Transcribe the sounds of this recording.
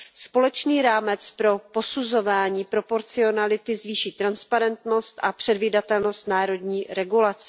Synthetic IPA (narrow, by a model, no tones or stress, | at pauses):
spo̞lɛt͡ʃniːɾaːmɛt͡spɾo̞po̞suzo̞vaːɲiːpɾo̞po̞ɾt͡sɪo̞nalɪt̪ɪzviːʃiːt̪ɾanspaɾɛnt̪no̞st̪ʔapr̝̥ɛdviːdat̪ɛlno̞st̪naːɾo̞dɲiːɾɛɡulat͡sɛ̥